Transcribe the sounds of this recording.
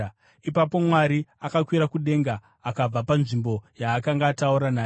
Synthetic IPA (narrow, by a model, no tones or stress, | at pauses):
ipapo̞mwaɾiakakwiɾakuɗe̞ŋɡaː | kab͡vapanʐimbo̞jaːkaŋɡaːtauɾanaː